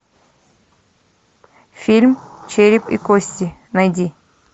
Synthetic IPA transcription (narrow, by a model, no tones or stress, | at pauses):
fʲilʲmt͡ɕeɾʲɪpḭkosʲtʲɪnɐjdʲi